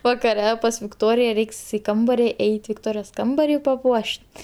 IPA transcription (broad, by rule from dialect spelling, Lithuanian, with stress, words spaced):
ʋɐkɐˈrʲɛ pɐs ʋʲɪkˈtoːrʲɪjɛ ˈrʲɛɪks ɪ ˈkɐmbɐrʲɪ ˈɛɪtʲ ʋʲɪkˈtoːrʲɪjoːs ˈkɐmbɐrʲiː pɐˈpuɔʃʲtʲ